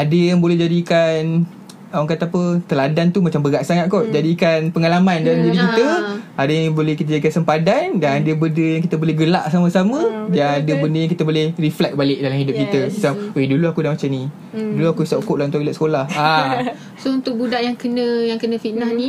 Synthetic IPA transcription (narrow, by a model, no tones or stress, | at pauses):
adəjaŋbolɛhd͡ʒadikan | awaŋkat̪aapət̪əladant̪umat͡ʃambəɡaʔsaŋat̪̚kɔʔd͡ʒadikanpəŋalamandalamd͡ʒadikit̪əadəjŋbolɛhkit̪ad͡ʒadikansəmpadandanadəbəndəjãŋkit̪əbolɛhɡəlaʔsaməsamə̃danadəbəndəjaŋkit̪əbolɛhriflɛk̚balɪk̚dalamhidʊp̚kit̪əsəsapweduluakudamat͡ʃamnĩ | duluakuisaʔukʊʔ̚lant̪ʊʔɡilaʔsə̥kolaha | sount̪ʊk̚budaʔjaŋkənə̃jaŋkənə̃finahnĩ